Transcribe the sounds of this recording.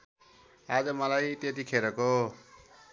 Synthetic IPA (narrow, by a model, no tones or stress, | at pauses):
ad͡zʌmʌlajt̪et̪ikʰeɾʌko